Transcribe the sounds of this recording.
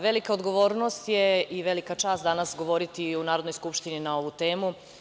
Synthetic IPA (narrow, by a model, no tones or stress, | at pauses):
ʋe̞likaod̪ɡo̞ʋo̞ːɾnost̪jeiʋe̞likat͡ʃaːst̪d̪anasɡo̞ʋo̞ɾit̪iunaːɾod̪nojskupʃt̪ininao̞ʋut̪e̞ːmu